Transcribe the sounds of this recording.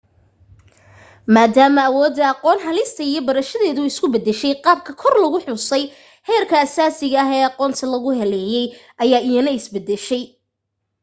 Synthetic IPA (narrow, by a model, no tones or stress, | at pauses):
maːd̪aːmɐːwɔːd̪ːɐɑqɔːnɦɐlɪst̪ʰɐijɞbɐɾɐʃɐðɛːðʊɪskʰʊbɛd̪ɛʃɛjqɑːb̚kʰɐkʰɔrlɐɣʊħʊsɛj | hɛːrkʰɐːsaːsɪɣɐːɦɛːɑqɔːnt̪ʰɐlɐɣʊɦɛlɛːjɛjʔɐjaːʔɪjɐnɐɪsbɛd̪ɛʃɛj